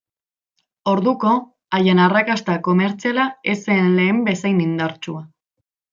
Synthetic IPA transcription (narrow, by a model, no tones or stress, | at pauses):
o̞ɾðuko̞ | ajenarakast̪ako̞me̞ɾt͡sialae̞senle̞ːmbe̞sajnind̪aɾt͡ʃua